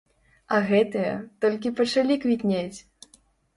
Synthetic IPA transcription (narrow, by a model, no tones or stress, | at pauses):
ɐɣɛt̪ɨjɐt̪ɔlʲk̬ʲipɐt͡ʂalʲikvʲiknʲat͡sʲ